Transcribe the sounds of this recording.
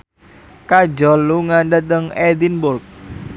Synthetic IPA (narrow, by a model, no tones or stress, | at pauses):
kad͡ʒɔlːuŋandat̪əŋɛd̪inbʊrk̚